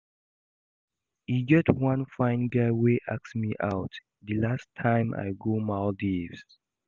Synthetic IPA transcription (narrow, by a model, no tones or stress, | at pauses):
iɡɛtwãnfãɪ̃nɡaweʔaksmiʔawt | dəlastʰːãɪ̃mʔa̰jɡomaldivs